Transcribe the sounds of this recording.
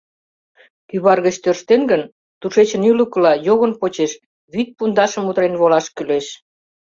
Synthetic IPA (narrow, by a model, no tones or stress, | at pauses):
kyβɑrɣət͡ɕt̪ørʃt̪enɡən | t̪uʃet͡ɕə̆nyləkəlɑjoɣə̆npot͡ɕeʃ | βyt̪̚pund̪ɑʃə̆mut̪ɾenβolɑʃkyleʃ